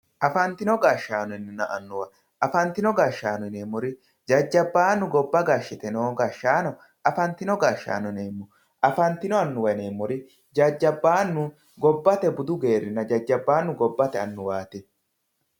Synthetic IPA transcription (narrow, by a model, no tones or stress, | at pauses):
ʔɐfɐnt̪ɪnɔɡaːʃːaːnɔɪnːɪnːɐʔɐnːʊwɐ | ʔɐfɐnt̪ɪnɔɡaːʃːaːnɔneːmːɔɾɪ | d͡ʒɐd͡ʒːɐbːaːnːʊɡɔbːɐɡaːʃːɪt̪ɛnoːɡaːʃːaːnɔ | ʔɐfɐnt̪ɪnɔɡaːʃːa̰ːnɔneːmːʊ | ʔɐfɐnt̪ɪnɔɐnːʊwɐne̞ːmːɔɾɪ | d͡ʒɐd͡ʒːɐbːaːnːʊ | ɡɔbːɐt̪ɛbʊd̪ʊɡe̞ːɾɪnːɐd͡ʒɐd͡ʒːɐbːaːnːʊɡɔbːɐt̪ɛɐnːʊwaːt̪ɛ